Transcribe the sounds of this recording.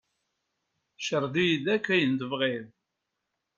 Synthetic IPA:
ʃəɾˤd̪ijðækːæjənd̪əvʁɪð

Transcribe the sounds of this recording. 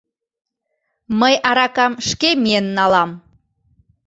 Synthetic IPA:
məjʔɑɾɑkɑmʃkemienːɑlɑm

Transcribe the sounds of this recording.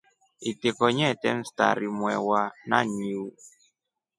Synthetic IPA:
itekɔɲɛtɛ̰n̩sta̰ɾimwɛwana̰ɲiwu

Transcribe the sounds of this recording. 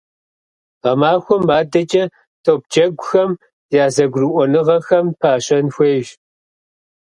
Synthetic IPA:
ʁɐmaːxʷɔmːaːdɐt͡ʃʼɐ | tʰoːp̚t͡ʃʼɐɡʷʊxɐm | jaːzɐɡʷrɨʔʷɔnɨʁɐxɐmpʰaːɕɐnxʷeːʒ

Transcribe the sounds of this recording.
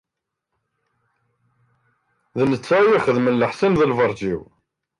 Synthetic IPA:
ðnət͡sːæjiχəðmənləħsinðəlvəɾˤd͡ʒiw

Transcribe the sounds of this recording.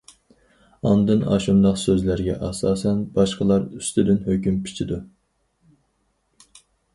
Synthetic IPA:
ɑnd̪ɨnɑ̰ːʃumd̪ɑqsøzlæɾɡʲɛʔɑsɑːsɛnbɑʃqəlˠɑɾyst̪ɪd̪ɪnhøkʲympʰi̥t͡ʃʰid̪u

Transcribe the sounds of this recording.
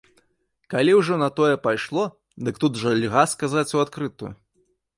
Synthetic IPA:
kalʲiwʐɔnɐt̪ɔjɛpajʂlˠɔ | d̪ɨkt̪ut̪ʐɐlʲɣaskazat͡sʲuat̪kɾɨt̪ṵj

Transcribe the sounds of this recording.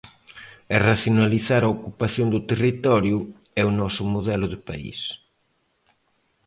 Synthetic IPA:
ɐraθjonaliθaɾɐokupaθjond̪ʊt̪erit̪ɔɾjʊ | ɛunɔsʊmoðɛlʊðɪpa̰ḭs

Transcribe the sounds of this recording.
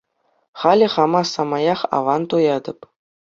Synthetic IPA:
χɑlʲɘ̆χɑmɑsɑmɑjɑχɑ̰ʋɑnt̪ujɑd̪ɤ̆p

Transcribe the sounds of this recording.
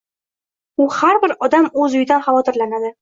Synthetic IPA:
uhaɾbɪɾɒd̪amɵzʊjd̪anχavɒt̪ɪɾlanad̪ɪ

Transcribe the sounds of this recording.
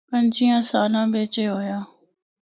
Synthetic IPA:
pə̃ɲd͡ʒiːãːsaːlãːbeːt͡ʃeɦoːjaː

